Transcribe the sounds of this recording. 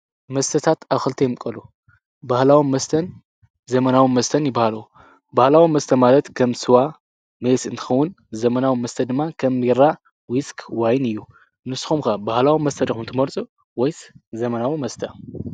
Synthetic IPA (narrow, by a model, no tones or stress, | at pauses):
mɐst̪ʰɐt̪ʰat̪aβxɨlt̪ʰɐjmkʼɐlu | bahlawimːɐst̪ʰɐn | zɐmɐnawimɐst̪ʰɐnjɪbːahalɐwu | bahlawimːɐst̪ʰɐmalɐt̪kʰɐmsɨwa | mesɨnt̪ʰɨ̥xɐwːʊn | zɐmɐnawimɐst̪ʰɐd̪ɨmːakʰɐmiɾa | wiskʰwajnɨjːu | nɨsːɨ̥xumkabahlawimːɐst̪ʰɐd̪ɐxunt̪ʰɨmɐɾt͡sʼu | wɔjszɐmɐnawimɐst̪ʰɐ